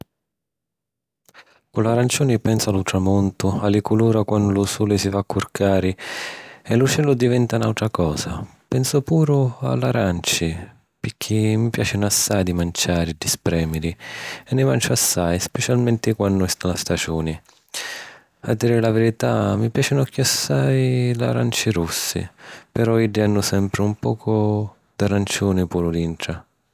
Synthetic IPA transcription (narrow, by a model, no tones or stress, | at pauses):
kʊlaɾant͡ʃuːnipɛnsʊalʊt̪ɾamɔnt̪ʊalːɪkuluːɾakwandʊlʊsuːlɪsifakːʊrkʰaːɾɪ | ɛlʊt͡ʃɛlʊd̪ivɛnt̪aunalwt̪ɾakɔːsapɛnsʊpuːɾʊa̰lːaɾant͡ʃɪ | pɪk̟ʰːimːipja̰ːt͡ʃɪnasːajd̪imant͡ʃaːɾɪd̪ispɾɛːmɪɾiɛnːɪmant͡ʃʊasːajspɛt͡ʃalmɛnt̪ɪkwanːʊɛst̪alast̪ad͡ʒuːnɪ | ad̪ːiːɾɪlavɪɾit̪amːipjaːt͡ʃɪnɔkːʊasːajla̰ɾa̰nt͡ʃiɾusːɪ̰pɛɾɔiɖːianːʊsɛmpɾɪumpɔːkʰʊ | d̪arant͡ʃuːnɪpuːɾʊd̪iɳʈ̪ɾa